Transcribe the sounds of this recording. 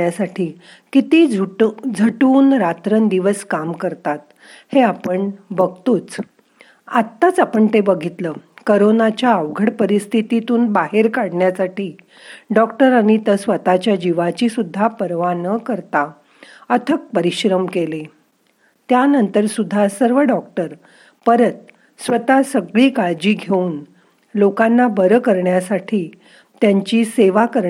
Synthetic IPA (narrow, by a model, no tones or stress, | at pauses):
jasaʈʰiː | kit̪iːd͡zʱəʈuːnɾat̪ɾənd̪iʋəskamkəɾt̪at̪̚ | heapəɳbəɡ̚t̪uːt͡s | at̪ːat͡sapəɳt̪ebəɡʱit̪ləkoɾonat͡ɕjaəʋɡʱəɽpəɾist̪ʰit̪it̪uːnbaɦeɾkaɽɳjasaʈiː | ɖɔkʈəɾaɽ̃it̪əsʋət̪at͡ɕjad͡ʑiʋat͡ɕisud̪ʱːapəɾʋanəkəɾt̪a | ət̪ʰək̚pəɾiɕɾəmkele | t̪janənt̪əɾsud̪ʱːasəɾʋəɖɔk̚ʈəɾ | pəɾət̪ | sʋət̪asəɡɭiːkaɾd͡ʑiːɡʱeuːn | lokanːabəɾəkəɾɳjasaʈʰiː | t̪jaɲt͡ɕiːseʋakəɾ